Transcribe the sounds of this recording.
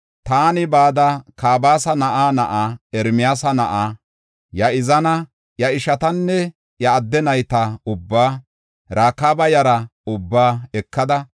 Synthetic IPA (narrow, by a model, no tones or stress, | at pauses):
t̪aːnɪbaːd̪ɐkaːbaːsɐnɐʔaːnɐʔaːɛɾmɪjaːsɐnɐʔaː | jɐɪzɐnɐ | jɐɪʃɐt̪ɐnːɛ | jɐːd̪ːɛnɐjt̪ɐʊbːaː | ɾaːkaːbɐjɐɾɐʊbːaːɛkːɐd̪ɐ